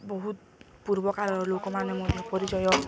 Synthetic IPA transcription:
bɔɦut̪̚ | puɾbɔkaɾɔɾlokɔmanemɔd̪ʱjɔpɔɾid͡ʒɔjɔ

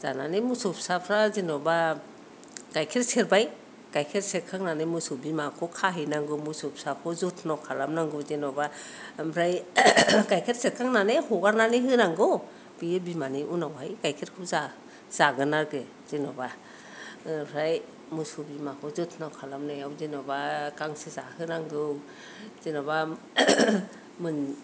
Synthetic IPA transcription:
za̰nanemusup̚sapʰɾazinɔba | ɡ̥ajkʰeɾseɾbaj | kajkʰeɾseɾkʰaŋnanɯmusubimakʰɔkʰaɦinaŋɡɯmusup̚sap̚ʰkʰɔzutʰnawkʰalamnaŋɡɯzenɔbambʰɾaj | ɡajkʰeɾseɾkʰaŋnanehɔɡaɾnaniɦɯnaŋɡɯ | bibimaniʔunawajkajkʰet̚kʰɯza | z̥aɡɯnaɾɡɯ | z̥enɔba | ɾaj | mɯsubimakʰɔzutʰnawkʰalamnajawzinɔbakaŋsizahɯnaŋɡɯw | zenɔba | mɯn

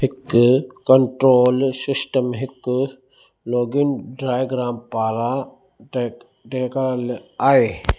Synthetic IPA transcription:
hɪkːkɐɳʈɾoːlsɪsʈəmɦɪkː | loːɡinɖɾaːjɡɾaːmpaːɾa | ʈeːkɐɾlaːe

